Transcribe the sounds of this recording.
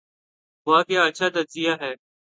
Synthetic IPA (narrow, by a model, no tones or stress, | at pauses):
ɦʊaːkɪjaːəʃʰaːt̪əziːjaːɦɛː